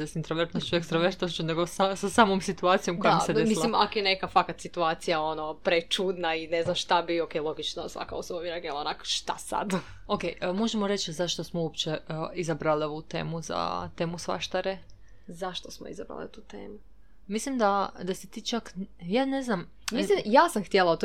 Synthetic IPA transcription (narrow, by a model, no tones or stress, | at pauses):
d̪esint̪ɾoʋeɾt̪nost͡ɕuekst̪ɾaʋeɾt̪nost͡ɕune̞ɡosasasaːmomsit̪uaːt̪sijo̞mkojaedemisllimakojenekafakat̪sit̪uaːt̪sijaonopɾet͡ʃud̪naineznamʃt̪abiokejlˠo̞ɡit͡ʃnosʋa̰ka̰osobamiɾaɡelˠaonakʃt̪a̰sa̰d̪ | okejmo̞ʒemoɾet͡ʃzaʃt̪osmouopt͡ɕeizabɾaliout̪ḛːmuza̰t̪e̞ːmusʋa̰ʃt̪aɾe | zaʃt̪osmoḭzabɾa̰lḭut̪uːt̪ḛːmu | mislimd̪ad̪asit̪iːt͡ʃakjaːneznam | milijaːsamxt̪jelˠaot̪o